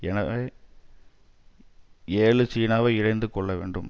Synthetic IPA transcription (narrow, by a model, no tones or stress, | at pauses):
ɛnɐʋeː | eːɭɯt͡ʃiːnaːʋɐɪɻɐɪnd̪ɯkːɔɭːɐʋḛːɳɖɯm